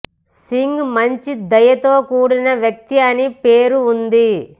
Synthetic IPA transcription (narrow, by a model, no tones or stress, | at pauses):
siŋɡmɐɲt͡ʃid̪ɐjɐt̪o̞ːkuːɽinɐʋjɐk̚t̪iɐnipeːɾuːnd̪i